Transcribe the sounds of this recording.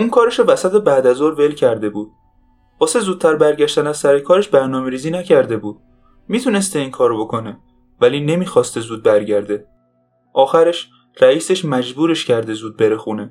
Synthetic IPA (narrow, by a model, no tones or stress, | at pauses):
ʔuːŋkʰɒːɾeʃovæsæt̪ʰebæːd̪æzoɾve̞lcʰæɾd̪e̞buːd̪̥̚ | b̥ɒːsezuːd̪̚t̪ʰæɾbæɾɟæʃt̪ænæzsæɾekʰɒːɾeʃbæɾnɒːmeɾiːziːnæcʰæɾd̪e̞buːd̪̥̚ | miːt̪ʰune̞st̪eiːŋkʰɒːɾobo̞kʰone | væliːne̞miːxɒːst̪ezuːd̪̚bæɾɟæɾd̪e̞ | ʔɒːxæɾe̞ʃ | ræiːse̞ʃmæd͡ʒbuːɾe̞ʃcʰæɾd̪e̞zuːd̪̚be̞ɾe̞xuːne